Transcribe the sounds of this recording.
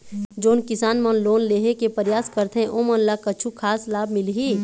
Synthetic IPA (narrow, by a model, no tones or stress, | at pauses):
d͡ʒoːnkɪsaːnmənloːnleːɦekepəɾjaːskəɾt̪ɦẽʔoːmə̃nlakɐt͡ʃʰukʰaːslaːbmɪlɦi